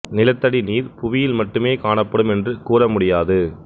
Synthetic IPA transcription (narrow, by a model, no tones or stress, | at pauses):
nɪlɐt̪ːɐɽiniːɾpʊʋɪjɪlmɐʈːɯmeːkaːɳɐpːɐɽɯmɛndrɯkuːrɐmʊɽɪjaːðɯ